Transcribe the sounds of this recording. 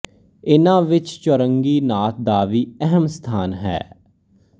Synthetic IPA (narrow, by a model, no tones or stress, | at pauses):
ɪnãːʋɪt͡ʃt͡ʃəɾəŋɡiːnaːt̪̚d̪aːʋiːɛɦəmst̪ʰaːnɦɛ̰ː